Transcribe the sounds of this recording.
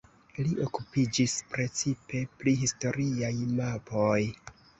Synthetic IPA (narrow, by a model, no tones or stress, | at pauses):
liʔo̞kupid͡ʒispɾe̞t͡sipe̞pliɦisto̞ɾiajmapoj